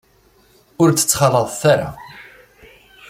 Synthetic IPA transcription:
ʊɾt͡sːə̥t͡sːχɑləðˤθaɾa̰

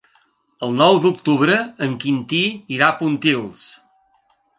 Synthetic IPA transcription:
əlˠnɔwd̪uk̚t̪uβɾəːŋkint̪iːɾapunt̪ilˠs

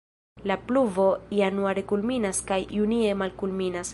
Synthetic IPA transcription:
lapluvo̞ianuaɾekulminaskajunie̞malkulminas

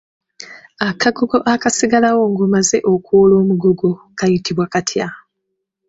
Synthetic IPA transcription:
akaɡuɡo̞ʔakasiɡalawo̞ŋɡumaze̞ʔo̞kolo̞ːmuɡuɡo | kajitiβwakatʰja

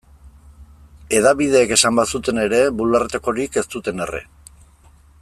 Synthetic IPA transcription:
e̞ðaβið̞e̞ːke̞sambasut̪e̞ne̞ɾe̞βulaɾt̪eko̞ɾike̞st̪ut̪e̞ne̞rḛ

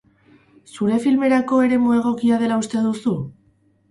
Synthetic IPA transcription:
suɾe̞filme̞ɾako̞e̞ɾe̞mue̞ɣ̞o̞kiað̞e̞laust̪e̞ðusu

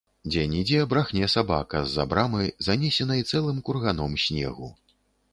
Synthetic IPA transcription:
d͡zʲɛnʲid͡zʲɛɐbɾaxnʲɛsaba̰kɐzːa̰bɾamɨjzanʲɛsʲɛnɐit̪sɛlˠɨmkurɣanɔmsʲnʲɛ̰ɣu

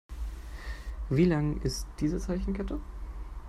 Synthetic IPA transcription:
viːlaŋʔɪstd̥iːzət͡saɪçn̩kʰɛtə

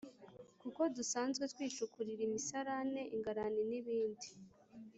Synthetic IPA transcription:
kuko̞dusaːnzɡwet̪wiːt͡ʃukuɾiɾimisaɾane̞ʔiŋɡaɾaniniβiːndi

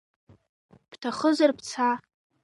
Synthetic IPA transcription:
ptʰaχəzarpʰt͡sʰa

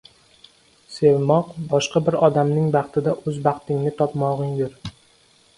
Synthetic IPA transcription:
sevmɒqbɒʃqɑbɪɾɒd̪amnɪŋbɑqt̪ʰɪd̪aʔɵzbɑqt̪ɪŋnɪt̪ʰɒpmɒʁɪŋd̪ɪɾ

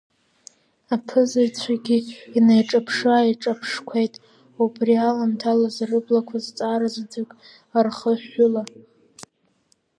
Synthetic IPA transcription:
apʰɨzat͡sʷʰaɡʲiinajʈ͡ʂʼapʰʂaiʈ͡ʂʼapʰʂkʷʰejtʼ | ubʼrialamtʰalazrɨblakʷʰazt͡sʼaɾazdʰɨkʼ | arχəħʊla

